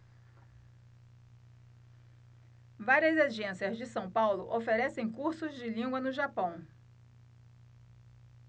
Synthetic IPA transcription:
vaɾiɐzad͡ʒẽsiɐzd͡ʒɪsɐ̃w̃pawlʊ̰ʔofeɾɛsẽj̃kuɾsʊzd͡ʒɪlĩŋɡwɐnʊʒapɐ̃w̃

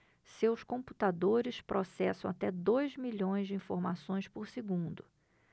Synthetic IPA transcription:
sewskõpu̥t̪ad̪oɾɪspɾʔɔsɛsɐ̃w̃at̪ɛd̪ojzmiʎõj̃zd͡ʒɪĩfoɾmasõj̃spoɾsɪɡũnd̪ʊ

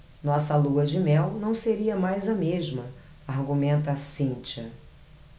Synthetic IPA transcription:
nɔsɐluɐd͡ʒɪmɛwnɐ̃w̃seɾiɐmajzɐmeʒmɐ | aɾɡumẽnt̪ɐsĩt͡ʃɐ

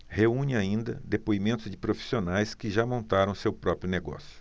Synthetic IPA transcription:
heũɲɪaĩnd̪ɐ̰d̪epoimẽnt̪ʊzd͡ʒɪpɾofi̥sionajskɪʒamõnt̪aɾɐ̃w̃sewpɾɔpɾjʊneɡɔ̰sjʊ̥

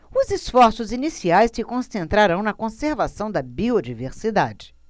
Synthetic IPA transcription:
ʊzisfɔɾsʊzinisiajsɪkõsẽnt̪ɾaɾɐ̃w̃nɐkõseɾvasɐ̃w̃d̪ɐbiod͡ʒiveɾsid̪ad͡ʒɪ

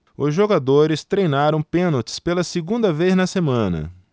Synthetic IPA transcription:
ʊzʒoɡad̪oɾɪst̪ɾejnaɾɐ̃w̃pẽnot͡ʃɪ̥spelɐsɪɡũnd̪ɐvejznɐsemɐ̃nɐ̰

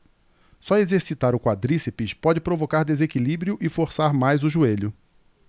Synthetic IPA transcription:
sɔezeɾsit̪aɾʊkwad̪ɾisepiʃpɔd͡ʒɪpɾovokaɾd̪ezekilibɾjʊʔɪfoɾsaɾmajzʊʒueʎʊ

